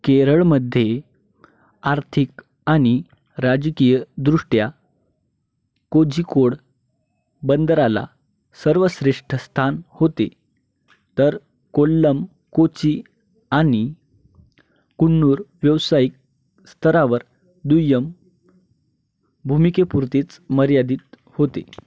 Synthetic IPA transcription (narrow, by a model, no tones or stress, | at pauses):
keɾəɭməd̪ʱːje | aɾt̪ʰik | aɽ̃i | ɾad͡ʑkijəd̪ɾuʂʈja | kod͡ʑikoɽ | bənd̪əɾala̰ | səɾʋəsɾeʂʈʰəst̪ʰanhot̪e | t̪əɾ | kolːəm | kot͡si | añi | kuɳːuːɾʋjəʋsajik̚ | st̪ʰəɾaʋəɾ | d̪ujəm | bʱumikepuɾt̪et͡sməɾjad̪iːt̪̚ | hot̪ḛ